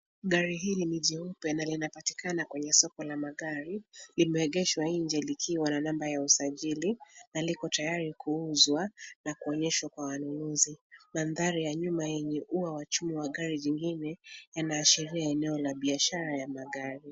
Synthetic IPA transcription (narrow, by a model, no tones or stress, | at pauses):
ɠaɾiɦiːliniʄɛupɛnalinapati̥kanakwɛɲɛsɔkɔlamaɠaɾilimɛɛɠɛʃwaiɲd͡ʒɛlikʰiwananambajausaʄilinalikɔtajaɾikʰuuzwanakuɔɲɛʃwakwawanunuzimanðaɾijaɲumajɛɲɛʔuawat͡ʃumiwaɠaɾiʄiŋɡinɛjanaːʃiɾiaɛnɛɔlaɓiaʃaɾajamaɠaɾi